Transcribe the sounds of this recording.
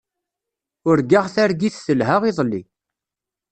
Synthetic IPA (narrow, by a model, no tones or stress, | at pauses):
ʊɾɡaʁθæɾɡiθθəlɦaʁiðˤlːḭ